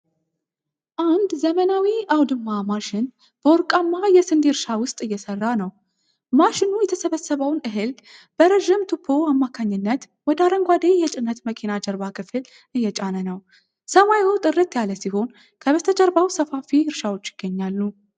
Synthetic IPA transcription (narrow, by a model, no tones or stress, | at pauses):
ʔand̪zəmənawiʔawd̪ɨmːamaʃɪn | b̥əwɔɾkʼamːajɛsɨnd̪iɾʃawʊst̪ʼɨjːɛsərːanəw | maʃɪnujɛt̪ʰəsəβəsːəβəwnɨɦɨl | b̥əɾəʒɪmt̪ʰupʰːoamːakʰaɲːɪnːət̪ | wɔd̪aɾəŋɡʷad̪ejɛt͡ʃʼɪnːət̪məkʰinad͡ʒəɾbakʰɨfɨl | ʔɨjːɛt͡ʃʼanənəw | səmajot̪ʼɨrːɨt̪jaləsiho̞n | kʰəβət̪ʰəd͡ʒəɾbawsəfafiɨɾʃawo̞t͡ʃːjɪ̥ɡ̥ːəɲːalːu